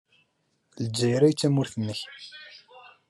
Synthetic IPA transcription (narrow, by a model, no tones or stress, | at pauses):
ləd͡ʒːæjɾæjt͡sːæmʊɾθənːəç